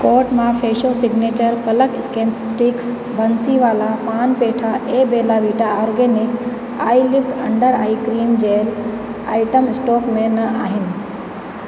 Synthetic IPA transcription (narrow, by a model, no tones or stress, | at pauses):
kɔːɾʈmãfeːʃosɪɡneːt͡ɕəɾkɐləkɪskẽːnssʈɪks | bʱɐnsiʋaːlapaːnpeːʈʰaʔeːbeːlaʋiːʈaɔːɾɡeːnɪk | aːilɪfʈ̪ʰɐ̰̃ɳɖəɾa̰ːikɾiːmd͡ʑeːl | a̰ːɪʈəmɪsʈoːkmẽnaːɦɪnɪ̆